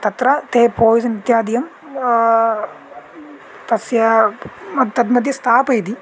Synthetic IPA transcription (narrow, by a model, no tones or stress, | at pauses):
t̪ɐt̪ɾɐt̪eːpoːjisɐnit̪jaːd̪ijɐm | t̪ɐsjɐmɐt̪ːɐd̪nɐd̪jɐst̪ʰaːpɐjd̪i